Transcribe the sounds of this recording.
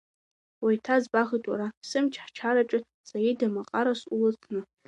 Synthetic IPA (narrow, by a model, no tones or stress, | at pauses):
wajtʰazbaʁitʼwa̰ɾasɨmt͡ʃʰħt͡ʃʰaɾaʈ͡ʂʼɪ | sajidamaqʼaɾasulɨt͡sʰnɨ